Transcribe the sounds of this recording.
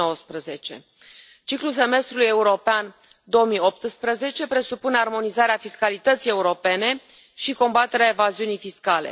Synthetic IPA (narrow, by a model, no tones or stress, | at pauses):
owəspɾəze̞t͡ʃe̞̰ | t͡ʃikluls̬e̞me̞st̪ɾuluje̞uɾo̞pean | d̪o̞omio̞p̚t̪spɾəze̞t͡ʃe̞pɾe̞supune̞armo̞nizaɾeafiskalit̪ət̪sie̞uɾo̞pe̞ne̞ | ʃiko̞mbat̪eɾeaevaziunijfiskale̞̰